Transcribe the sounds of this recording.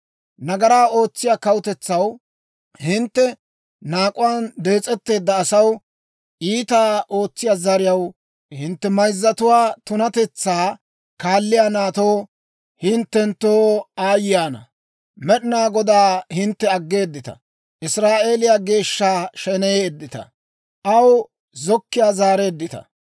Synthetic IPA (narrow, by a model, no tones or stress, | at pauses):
nɐɡɐɾaːo̞ːt͡sːɪjaːkɐwʊt̪ɛt͡sːɐw | hɪnt̪ːɛ | naːkʼʊwaːnd̪e̞ːt͡sʼɛt̪ːe̞ːd̪ːɐːsɐw | ʔiːt̪aːʔo̞ːt͡sːɪjaːzɐɾɪjɐw | hɪnt̪ːɛmɐjzːɐt̪ʊwaːt̪ʊnɐt̪ɛt͡sːaː | kaːlːɪjanaːt̪oː | hɪnt̪ːɛnt̪oːaːjɪjaːnɐ̰ | mɛɗɪnaːɡɔd̪aːhɪnt̪ːɛɐɡːe̞ːd̪ːɪt̪ɐ̰ | ʔɪsɾaːʔe̞ːlɪjaɡe̞ːʃːaːʃɛnɛjeɛd̪ːɪt̪ɐ̰ | ʔɐw | zɔkːɪjaːzaːɾeːd̪ːɪt̪ɐ̰